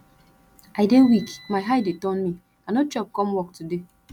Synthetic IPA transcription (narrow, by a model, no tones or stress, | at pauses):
aɪdewikmaɪɦaɪdetɔnmi | anot͡ʃɔp̚kɔ̃mwɔk̚tude